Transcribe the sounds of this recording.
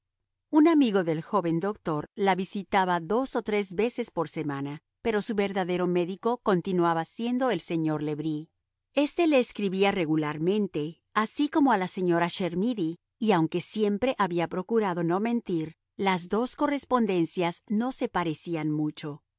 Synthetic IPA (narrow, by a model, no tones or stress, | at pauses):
unamiɣo̞ðe̞lxo̞βe̞nd̪o̞kt̪o̞ɾlaβisit̪aβaðo̞so̞t̪ɾe̞zβe̞se̞spo̞ɾse̞mana | pe̞ɾo̞suβe̞ɾðaðeɾo̞me̞ðiko̞ko̞nt̪inwaβasje̞nd̪o̞e̞lse̞ɲo̞ɾle̞βɾi | e̞st̪e̞le̞ːskɾiβiare̞ɣulaɾmẽ̞nt̪e̞ | asikomo̞alase̞ɲo̞ɾaʃeɾmiðiː | awŋke̞sje̞mpɾe̞ʔaβiapɾo̞kuɾaðo̞no̞mẽ̞nt̪iɾ | lazðo̞sko̞re̞spo̞nd̪e̞nsjazno̞se̞paɾe̞sianmut͡ʃo̞